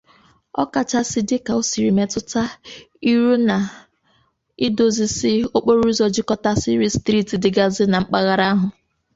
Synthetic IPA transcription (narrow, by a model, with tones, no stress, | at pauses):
ɔ̰˦ka˨t͡ʃa˦sɪ˦dɪ˦ka˨o˦si˨ɾi˨me˦tʊ˦ta˦ | i˦ɾu˦na˨ | i˦do˨zi˨sɪ˦o˦k͡po˦ɾu˦i˦zɔ˨d͡ʒɪ˦kɔ˦ta˦sɪ˦ɾi˦stɾi˦˨ti˨dɪ˨ɡa˦zɪ˦na˨ŋ͡m̩˦k͡pa˦ɣa˦ɾa˦a˦ɦʊ˨